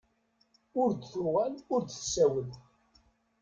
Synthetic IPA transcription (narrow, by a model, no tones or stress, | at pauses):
ʊɾd̪θuʁælʊɾd̪θsːæwəð